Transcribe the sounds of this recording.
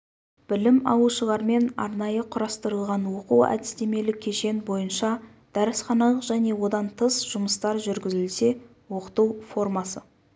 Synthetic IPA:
b̥ɪlɪmɑ̰wˠuʃəlˠɑɾme̞nɑ̰ɾnɑjəqʰʊɾɑst̪əɾəlˠʁɑnwo̞quwæ̰d̪ɪst̪e̞me̞lɪkʲʰe̞ʃe̞nbo̞jənʃɑ | d̪̥æɾɪsχɑnɑlˠəqʒ̥æne̞wo̞d̪ɑnt̪ʰəsʒ̥ʊməst̪ɑɾʒʏɾɡʲɪzɪlse̞ | wo̞qə̥t̪uwfo̞rmɑsə

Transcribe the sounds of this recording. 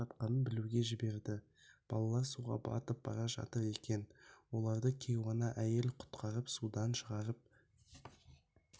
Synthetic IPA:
ɑt̪̚qɑnənbɪluɡʲe̞ʒɪbe̞ɾd̪ɪ | b̥ɑ̰lˠɑlˠɑɾsuʁɑ̰bɑ̰t̪əp̚bɑ̰ɾɑʒɑ̰t̪əɾe̞kʲe̞nwo̞lˠɑɾd̪əkʲʰe̞jʁɑnɑʔæje̞lqʰʊ̥t̪qʰɑɾəpsud̪ɑnʃəʁɑɾəp̚

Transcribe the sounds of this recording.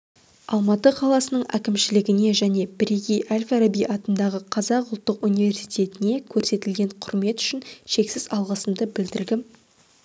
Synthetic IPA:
ɑlˠmɑt̪əqʰɑlˠɑsənəɴʔæ̰kʲɪmʃɪlɪɡʲɪne̞ʒæne̞bɾiɡʲijʔalʲfaɾabijʔɑt̪ənd̪ɑʁəqʰɑzɑqʊlˠt̪ːəqunijve̞ɾsijt̪ʰe̞t̪ɪne̞kʲʰɵɾse̞t̪ɪlɡʲe̞ɴqʰʊɾme̞t̪ʏ̥ʃɪnʃe̞ksɪzɑlˠʁəsəmd̪əbɪld̪ɪɾd̪ɪm

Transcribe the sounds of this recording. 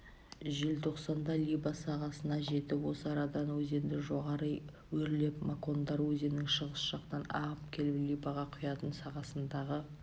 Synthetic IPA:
ʒɪlt̪ʰo̞qsɑnd̪ɑlʲijbɑsɑʁɑsənɑʒe̞t̪ɪpwo̞səɑɾɑd̪ɑnwɵze̞nd̪ɪʒo̞ʁɑɾəj | wɵɾle̞pmako̞nd̪ɑɾwɵze̞nɪŋʃəʁəsʒ̥ɑqt̪ɑnɑ̰ʁəpkʲʰe̞lɪplʲijbɑʁɑqʰʊjɑt̪ənsɑʁɑsənd̪ɑʁə

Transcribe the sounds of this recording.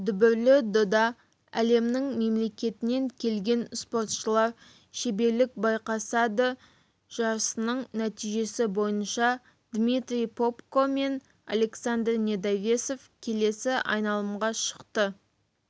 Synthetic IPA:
d̪ʏbɪɾlɪd̪od̪ɑ | æle̞mnɪŋme̞mle̞kʲe̞t̪ɪne̞ŋkʲʰe̞lɡʲe̞nspo̞ɾt̪ʃəlˠɑɾ | ʃebe̞ɾlɪk̚bɑjqɑsɑd̪ə | ʒ̥ɑɾəsənəɴnæt̪ijʒe̞sɪbo̞jənʃɑ | d̪mit̪ɾʲijpʰo̞pkome̞n | a̰le̞ksand̪rnʲe̞d̪avʲe̞so̞fkʲʰe̞le̞sɪʔɑ̰jnɑlˠəmʁɑʃə̥qt̪ə

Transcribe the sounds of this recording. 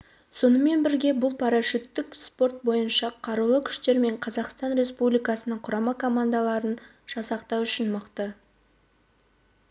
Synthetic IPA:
so̞nəme̞nbɪɾɡʲe̞bʊlˠpʰɑɾɑʃɪt̪ːɪkspo̞rt̪̚bo̞jənʃɑqʰɑɾulˠəkʲʰʏ̥ʃt̪e̞ɾme̞ɴqʰɑzɑqst̪ɑnɾʲe̞spublijkɑsənəɴqʰʊɾɑmɑkʰo̞mand̪alˠɑɾən | ʒ̥ɑsɑqt̪ɑwʏʃɪnməqt̪ə

